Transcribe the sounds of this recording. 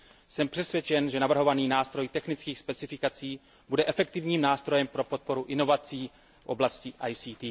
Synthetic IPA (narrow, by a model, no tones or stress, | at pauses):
sɛmpr̥ɛsvjɛt͡ʃɛnʒɛnavr̩ɦo̞vaniːnaːst̪ɾo̞jt̪ɛxnɪt͡skiːxspɛt͡sɪfɪkat͡siː | budɛʔɛfɛk̚t̪ɪvɲiːmnaːst̪ɾo̞jɛmpɾo̞pot̪̚po̞ɾuʔɪno̞vat͡siː | fʔo̞̰blascɪʔajsiːt̪iː